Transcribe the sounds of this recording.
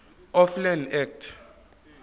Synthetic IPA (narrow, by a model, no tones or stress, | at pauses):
ɔflanɛk̚tʰ